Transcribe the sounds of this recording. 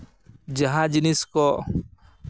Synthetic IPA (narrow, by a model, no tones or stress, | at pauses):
d͡ʒaɦãd͡ʒiniskɔ